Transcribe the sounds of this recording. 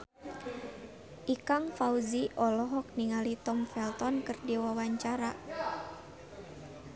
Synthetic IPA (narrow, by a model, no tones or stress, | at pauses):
ʔikaŋfauziʔɔlɔɦɔk̚niŋalit̪ɔmfɛlt̪ɔnkɨrdiwawaɲt͡ʃaɾa